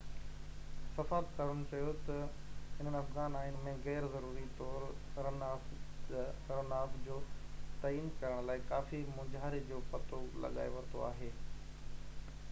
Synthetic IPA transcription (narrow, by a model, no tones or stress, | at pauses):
sɐfaːb̪kaːɾʊnʊ̆t͡ɕɐjot̪ɐ | ɪn̤ənɐfɣaːnaːin̆mẽɣɛːɾzɐɾuːɾit̪ɔːɾɾɐnaː | ɾɐnaːbd͡ʑoːt̪aːiːnkɐɾəɽ̃laːɪkaːfimʊ̃d͡ʑaːɾed͡ʑoːpɐt̪ʰolɐ̰ɠa̰ːeʋɐt̪oa̰ːɦeː